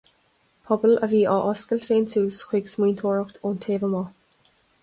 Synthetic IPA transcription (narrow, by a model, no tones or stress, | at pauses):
pʰɔbələviːʔaʔɔskəlfeːntuːsxwiɡsmiːnt̪ʰoːɹəkt̪ʰontʰeːvəmɔ